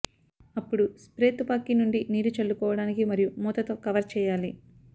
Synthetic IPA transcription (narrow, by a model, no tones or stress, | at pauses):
ɐpːuɽuspɾe̞ːt̪upaːkːinuɳɖiniːɾut͡ʃɐɭːukɔːʋɐɽaːnikimɐɾijumɔːt̪ɐt̪o̞ːkɐʋɐɾt͡ʃɛːjaːli